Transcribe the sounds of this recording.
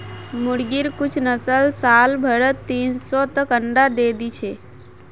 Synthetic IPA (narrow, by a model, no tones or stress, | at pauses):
mʊɽɡiɾkʊt͡ʃʰnəsəlsaːlbʱəɽət̪ːiːnsɔt̪əkəɳɖad̪eːd̪it͡ʃʰe